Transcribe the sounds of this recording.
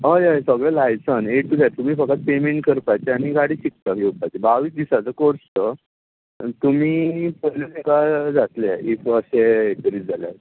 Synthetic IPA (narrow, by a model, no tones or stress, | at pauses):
ɦəjəjsəɡɭəlajt͡səneʈ̚ʈːud͡zat̪umiːfəkːat̪̚pemeɳʈkəɾpat͡ɕeaɽ̃iɡaɽiːɕik̚t̪akjopat͡ɕebaʋiːsd̪isat͡səkoɾst̪ə | t̪um̤iːpəlenikad͡zat̪leifəɕeet̪əɾiːd͡zala̰j